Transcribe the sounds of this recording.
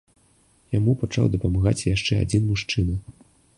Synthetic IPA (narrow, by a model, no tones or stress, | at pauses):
jamupat͡ʂa̰wd̪ɐpɐmaɣa̰t͡sʲjaʂt͡ʂɛa̰d͡zʲinmuʂt͡ʂɨnɐ